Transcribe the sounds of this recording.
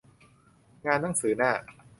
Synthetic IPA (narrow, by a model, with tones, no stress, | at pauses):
ŋaː˧nːa˥˩ŋsɯː˩˦naː˥˩